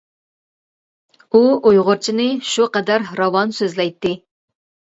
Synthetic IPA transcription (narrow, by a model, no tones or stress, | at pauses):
uojʁʊɾt͡ʃʰinɨʃuqɑd̪æɾɾɑwɑnsøzlɛjt̪ːɨ